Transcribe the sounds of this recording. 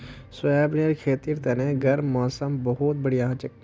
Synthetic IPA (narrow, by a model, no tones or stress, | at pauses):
sʊɛːbneɾkʰeːt̪iːɾt̪ɛnẽɡɐɾːɔːsəmbəɦʊt̪̚bəɽiaɦãt͡ʃək